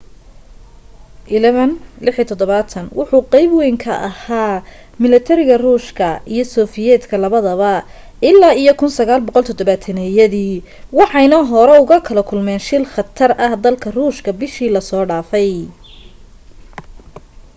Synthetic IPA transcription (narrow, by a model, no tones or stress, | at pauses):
ʔɪlɛβɐnlɪħit̪ʰɔd̪ɔβaːt̪ʰɐnwʊħʊqɛjbwɛjŋkʰɐʔɐhaː | mɪlɐt̪ʰɛɾɪɣɐruːʃkʰɐijɞsɔːfɪjɛːd̪kʰɐlɐβɐðɐβɐ | ɪlːaːijɔkʰʊnsɐɣaːlbɔqɔlt̪ʰɔd̪ɔβaːt̪ʰɐnɛjɐðiː | wɑħɑjnɐɦɔɾɛʊɣɐkʰɐlɐkʰʊlmɛːnʃɪlχɑt̪ʰɐrɐhd̪ɐlkʰɐruːʃkʰɐbɪʃiːlɐsɔːɖaːfɛj